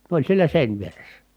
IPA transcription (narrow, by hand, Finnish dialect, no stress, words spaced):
ne olʲ sielæ seˑinʋieresːæ